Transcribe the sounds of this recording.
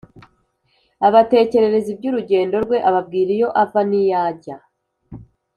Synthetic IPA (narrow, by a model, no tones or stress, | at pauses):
aβate̞ːce̞ɾe̞ɾe̞zib̚ɟuːɾuɟe̞ːndo̞ɾɡwe̞ʔaβab̚ɡiːɾijo̞ʔavanijaːɟa